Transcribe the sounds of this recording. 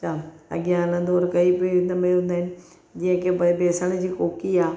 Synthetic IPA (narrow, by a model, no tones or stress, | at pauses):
t͡ɕʰaːɐ̰ɠɪjãnə̃d̪oːɾkɐipːd̪əmẽɦʊ̃ːnd̪aːɪnɪ̆ | d͡ʑĩə̃kebɐbeːsəɽ̃d͡ʑiːkoːkiaː